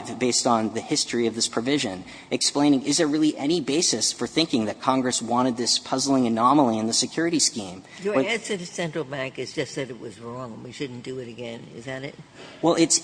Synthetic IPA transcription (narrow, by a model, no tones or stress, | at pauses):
vbeɪstn̩ðɨhɪstɹ̥iʌvðɪspʰɹ̥ɨvɪʒɨ̃n | ʔɨksplẽɪ̃ñɪ̃ŋɨzðə˞ɹɪlˠiʔɛñibeɪsɨsfə˞θɪ̃ŋkɪ̃ŋðɨt̚kʰɑ̃ŋɡɹɨswɑ̃ɾ̃ɨd̪̚ðɪspʰʌzl̩ˠɪ̃ŋɨnɑml̩ˠiɨ̃nðɨsɨkʰj̥ʊɹɨɾiskĩm | jəæ̃nsɛɾɨsɛ̃nt͡ʃɹ̥l̩ˠbæ̃ŋkɨzd͡ʒʌst̚ðɨɾɨt̚wʌzɹɔ̃ŋnwiʃʊdⁿn̩d̥ɨɪɾɨɡɛ̃nɪ̰zðɨɾɪt̚wɛlˠɪts